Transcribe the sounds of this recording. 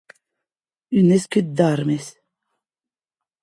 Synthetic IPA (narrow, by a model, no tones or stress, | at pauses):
ynɛskyt̪̚d̪aɾmes